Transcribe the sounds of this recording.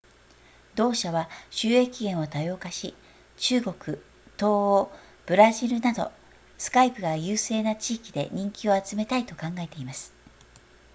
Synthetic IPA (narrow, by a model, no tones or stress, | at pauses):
d̪o̞ːɕaβaɕɨːe̞kʲiɡẽ̞ɰ̃o̞t̪ajo̞ːkaɕi | t͡ɕɨːɡo̞kɯ̟ | t̪o̞ːoː | b̥ɯ̟ɾaʑiɾɯ̟nad̪o̞̰ | sɨ̥kaipɯ̟ɡajɯːse̞ːnat͡ɕiːkʲid̪e̞̰ɲ̟ĩŋkʲio̞at͡sɨme̞t̪ait̪o̞kãŋɡae̞t̪e̞imasɨ̥